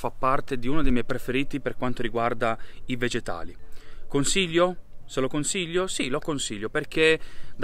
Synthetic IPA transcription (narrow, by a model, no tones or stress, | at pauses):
fapːart̪ed̪iunod̪ejmjɛjpɾefeɾiːt̪iperkwant̪oɾiɡward̪aived͡ʒet̪a̰ːlikonsiʎːoselokonsiʎːosilokonsiʎːoperk̟ed̪